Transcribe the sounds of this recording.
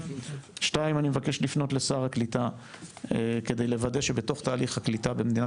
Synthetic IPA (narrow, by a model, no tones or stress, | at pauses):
ʃtaimanimevakeʃlifno̞tle̞saʁaklit̪a | ke̞d̪ejle̞vad̪e̞ʃe̞be̞to̞χt̪aːliχhaklitabemed̪ina